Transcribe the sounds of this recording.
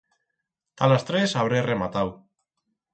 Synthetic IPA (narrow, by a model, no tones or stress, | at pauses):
t̪alast̪ɾe̞saβɾeremat̪aw